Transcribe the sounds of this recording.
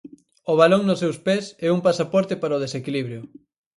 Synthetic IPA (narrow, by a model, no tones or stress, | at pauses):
ʊβaloŋnʊsːewspesɛuŋpasapɔɾt̪ɪpaɾaoðesekiliβɾjʊ